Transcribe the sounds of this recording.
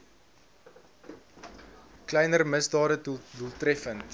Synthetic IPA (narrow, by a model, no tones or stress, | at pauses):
klɛjnərməsdɑːɾədulˠtrɛfənt